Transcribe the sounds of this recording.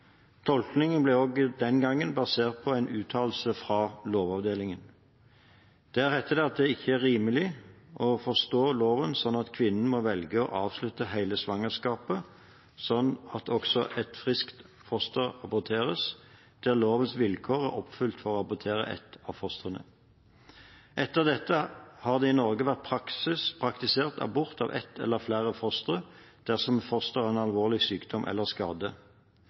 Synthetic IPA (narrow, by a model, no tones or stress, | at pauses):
t̪ʰɔlknɪŋənblɛoːɡd̪ɛnɡɑŋːənbɑseːʁt̪̚pʰɔæɪnʔʉːt̪ʰɑːll̩səfʁɑːloːʋɑʋd̪eːlɪŋən | d̪̥ææʁhæt̪ʰːəd̪ɛɑt̪̚d̪ɛɪçːəæʁʁiːməlɪʔɔfɔʁst̪oːloːʋənsɔnːɑt̪kʰʋɪnn̩mɔʋɛlɡəɔ̰ʔɑːʋslʉt̪ːəɦæɪləsʋɑŋəskɑːpə | sɔnːɑt̪ʰɔksɔʔɛt̪fʁɪskt̪ | fɔst̪əʁɑbʊt̪ʰeːʁəs | d̪̥æʁloːʋənsʋɪlkʰoːʁæʁɔpːfʉlt̪fɔʁoːɑbʊt̪ʰeːʁə̰ʔɛ̰t̪ɑʋfɔst̪ʁənə̰ | ʔɛt̪ːəʁd̪ɛt̪ːəhɑːʁd̪ɛɪnɔʁɡəʋæʁt̪̚pʰʁɑksɪspʰʁɑkt̪ɪseːʁt̪ʰɑ̰bʊʁt̪ɑ̰ʋʔɛ̰t̪ʰːɛ̰lːəʁflæːʁəfɔst̪ʁə | d̪̥æʁsɔmfɔst̪əʁæɪnɑlʋoːʁlɪsyːkd̪̥ɔmʔɛ̰lːəʁskɑːd̪ə